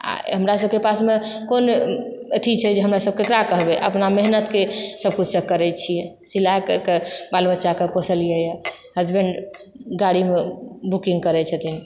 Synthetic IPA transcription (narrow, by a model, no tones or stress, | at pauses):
a̰ɦəmɾasəbʱkepasmekonət̪ʰit͡ʃʰɛd͡ʒeɦəmɾasəb̚kek̪ɾakəɦbeʔə̰pnameɦnət̪kesəb̚kut͡ʃʰsə̃kəɾɛt͡ʃʰijɛsilakɾkebalbətːʃakekosəlijɛja | ɦəd͡ʒbeɳɖ | ɡaɽimebukĩŋɡkəɾɛt͡ʃʰət̪ʰin